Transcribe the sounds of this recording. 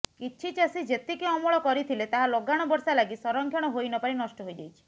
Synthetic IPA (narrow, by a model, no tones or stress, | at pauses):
kit͡ʃʰit͡ʃasid͡ʒet̪ikiɔmɔɭɔkɔɾit̪ʰilet̪aɦaloɡaɽ̃ɔbɔɾsalaɡisɔɾɔŋkʰjɔɽ̃ɔɦojnɔpaɾinɔsʈɔɦojd͡ʒajt͡ʃʰi̥